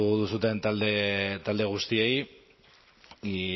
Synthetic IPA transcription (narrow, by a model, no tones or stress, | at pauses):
uðusut̪e̞nt̪ald̪et̪ald̪eɣ̞ust̪ie̞j